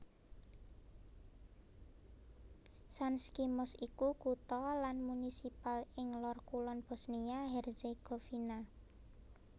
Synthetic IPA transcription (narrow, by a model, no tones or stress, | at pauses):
sanskimɔsikukut̪ɔlanmunisipalɪŋlɔrkulɔnb̥ɔ̤sniaɦɛrseɡ̥o̤fina